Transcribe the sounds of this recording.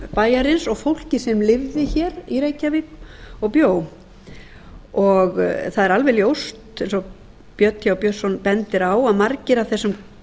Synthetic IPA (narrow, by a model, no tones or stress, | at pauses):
paːjaɾɪnsɔɣfowl̥cɪsɛmlɪvðɪçɛːɾiɾeːjcavɪkɔɣpjoːw | ɔɣθaðɛɾalvɛljowst̪ejnsɔ | pjœt̪jawpjœsːɔnpɛnt̪ɪɾaːwaðmaɾcɪɾawθɛsːʏm